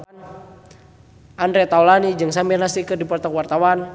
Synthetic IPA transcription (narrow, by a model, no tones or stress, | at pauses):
ʔandɾɛt̪aulanid͡ʒɨŋsambɛnasikədipɔrt̪ɔkwart̪awan